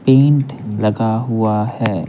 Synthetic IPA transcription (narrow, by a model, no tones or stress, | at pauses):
pẽːɳʈlɐɡaɦuahɛː